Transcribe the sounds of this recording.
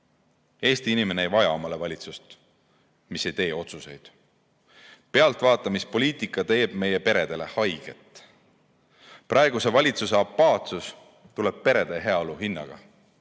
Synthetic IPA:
e̞ːst̪iinime̞neejvɑjɑo̞mɑle̞vɑlʲit̪sust̪ | mise̞jt̪e̞ːo̞t̪suse̞jd̪̥ | pe̞ɑlt̪ˑvɑːt̪ːˑɑmispo̞liːt̪ˑikˑːɑt̪e̞ːb̥me̞je̞pe̞ɾe̞d̪̥e̞le̞hɑjɡ̥e̞̰t̪ːˑ | prʔɑe̞ɡ̥use̞vɑlʲit̪suse̞ɑpːɑːt̪sus | t̪ule̞b̥̚pe̞ɾe̞d̪̥e̞ɦe̞ɑoluɦinːɑ̰ɡ̥ɑ̰

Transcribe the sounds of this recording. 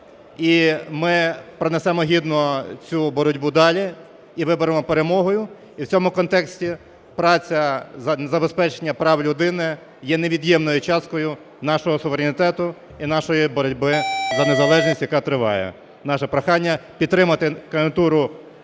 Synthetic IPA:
imɪpɾɔnɛsɛmɔɦʲid̪nɔt͡sʲubɔɾɔdʲbud̪ɑlʲi | iʋɪbɔɾemɔpeɾemɔɦɔjʊ | iwt͡sʲɔmʊkɔnt̪ɛksʲtʲi | pɾɑt͡sʲɐzɐzɐbespɛt͡ʃenʲːɐpɾɑwlʲʊd̪ɪnɪ | jɛneʋʲid̪jɛmnɔjʊt͡ʃɑskɔjʊ | nɑʃɔɦɔsʊʋeɾʲenʲɪt̪ɛt̪ʊ | inɑʃɔjibɔɾɔdʲbɪzɐnezɐlˠɛʒnʲisʲtʲjɐkɑt̪ɾɪʋɑ̰jɛ̰ | nɑʃɛpɾɐxɑnʲːɐpʲid̪t̪ːɾɪmɐt̪ɪkɐɪnt̪uɾʊ

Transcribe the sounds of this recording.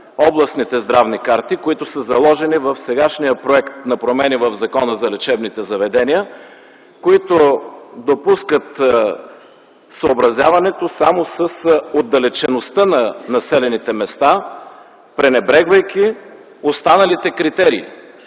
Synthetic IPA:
ɔblˠɐsnit̪ɛzd̪ɾavnikaɾt̪ikoit̪ʊsəzɐlˠɔʒɛnivəfsɛɡaʃnijəpɾoɛkt̪nɐpɾomɛnivəvzɐkɔnəzɐlɛt͡ʃɛbnit̪ɛzɐvɛd̪ɛniə | koit̪od̪opuskət̪ | səobɾɐzʲjavɐnɛt̪osamosəsod̪ːɐlɛt͡ʃɛnost̪ənɐnɐsɛlɛnit̪ɛmɛst̪a | pɾɛnɛbɾɛɡvəjk̟ʲi | ost̪anɐlit̪ɛkɾit̪ɛɾḭː

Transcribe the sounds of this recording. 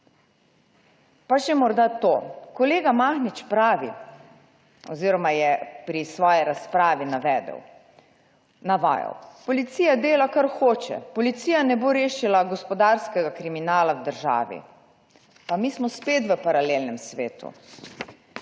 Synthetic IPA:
paʒɛmɔɾd̪at̪oːkɔleːɡamaːxnit͡ʃpɾaːʋḭ | ɔ̰ziːɾɔmajɛpɾisʋɔːjɛɾaspɾaːʋinaʋɛːd̪ə̰w | naʋa̰ːja̰wpɔlit̪siːjad̪eːlakaɾxoːt͡ʃɛ̰pɔlit̪siːjanɛboɾeːʃilaɡɔspɔd̪aɾskɛɡakɾiminaːlawd̪əɾʒa̰ːʋḭ | pamiːsmɔspeːt̪ʋəpaɾaleːlnɛmsʋḛːt̪ṵ

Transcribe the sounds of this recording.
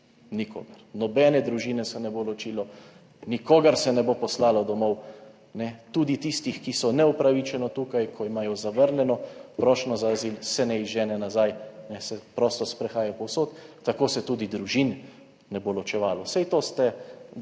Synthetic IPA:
niko̰ːɡɐɾnɔbɛːnɛd̪ɾuʒiːnɛsɛnɛbolɔt͡ʃiːlɔ | nikoːɡəɾsɛnɛbopɔslaːlɔd̪ɔmɔw | nɛt̪uːd̪it̪ist̪ixkisɔnɛupɾaʋit͡ʃɛnɔt̪uːkajkʰɔimaːjɔzaʋəɾnjɛnɔpɾɔːʃnɔzaːzilsɛnɛizʒɛːnɛnazajnɛsɛpɾɔːst̪ɔspɾɛxaːjapɔwsoːt̪ːakoːsɛt̪uːd̪id̪ɾuʒinː | ɛbolɔt͡ʃɛʋaːlɔsɛjt̪oːst̪ɛ

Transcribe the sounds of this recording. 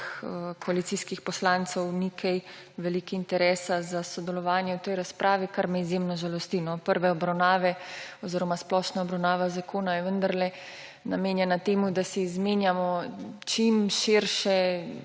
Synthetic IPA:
kɔalit̪siskixpɔslaːnt̪sɔwnikʰɛj | ʋɛlikiint̪ɛɾɛːsazasɔd̪ɛlɔʋaːnjɛwt̪ɛjɾaspɾʔaːʋikaɾmɛizjemnɔʒalɔst̪iːnɔpəɾʋɛɔbɾawnaːʋɛɔziːɾɔmasplɔːʃnaɔbɾawnaːʋazakʰoːnajɛʋənd̪aɾlɛ | nameːnjɛnat̪eːmud̪asɛizmeːnjamɔt͡ʃimʃiɾʃɛ

